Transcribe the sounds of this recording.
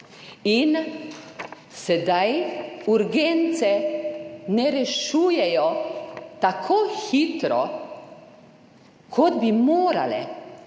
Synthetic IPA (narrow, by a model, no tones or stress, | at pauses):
in | sɛd̪ajuɾɡent̪sɛ | nɛɾɛʃuːjɛjɔt̪akʰoːxit̪ɾɔ | kʰɔd̪bimoːɾa̰lɛ̰